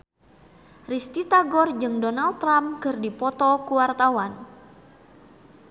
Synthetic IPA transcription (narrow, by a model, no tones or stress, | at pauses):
rist̪it̪aɡɔrd͡ʒɨŋdɔnald̪ɾamkərdipɔt̪ɔkuwart̪awan